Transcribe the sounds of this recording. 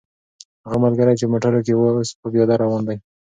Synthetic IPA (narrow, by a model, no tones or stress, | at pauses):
haɣamalɡaɾajt͡ʃemoʈaɾok̬ewospəbjɑd̪aɾɑwɑnd̪aj